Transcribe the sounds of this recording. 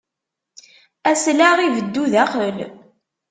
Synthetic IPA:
æslæʁivəd̪ːuðæχəl

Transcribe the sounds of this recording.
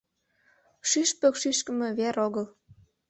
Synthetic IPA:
ʃyʃpøkʃiʃkə̆mĕβeɾoɣəl

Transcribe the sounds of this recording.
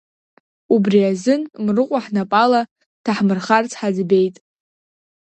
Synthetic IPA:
ubriazɨnmrɨqʷʼaħnapʼala | tʰaħmɨrχart͡sʰʼħad͡zbe̞jtʼ

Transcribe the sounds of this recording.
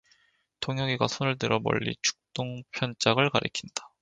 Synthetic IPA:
tʰoŋɦjʌɡiɡa̰sʰonɯɭtɯɾʌbʌ̰ʎːḭt͡ɕʰu̥k̚t͈oŋpʰjʌnt͡ɕ͈aɡɯɭkaɾʔɯ̰kʰind̥ḁ

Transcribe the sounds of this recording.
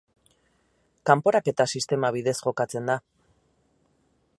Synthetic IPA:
kampo̞ɾake̞t̪asist̪e̞maβ̞iðe̞sʝo̞kat͡se̞nd̪a

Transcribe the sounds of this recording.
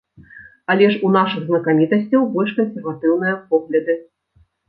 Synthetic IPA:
alʲɛʂunaʂɨɣznɐkamʲit̪ɐsʲt͡sʲɐwbɔlʲʂkɐnsʲɛrvat̪ɨwnɨjɐpɔɣlʲɐd̪ɨ

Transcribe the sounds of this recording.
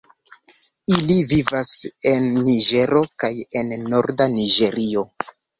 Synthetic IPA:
ilivivase̞nːiʒe̞ɾo̞kaje̞nːo̞ɾdaniʒe̞ɾio̞

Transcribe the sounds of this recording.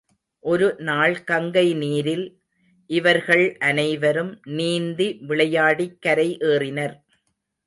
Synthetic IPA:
ʔɔɾɯnaːɭkɐŋɡɐɪniːɾɪl | ʔɪʋɐɾɣɐɭʔɐnɐɪʋɐɾɯmniːnd̪iʋɪɭɐjaːɽikːɐɾɐɪʔeːrɪnɐɾ

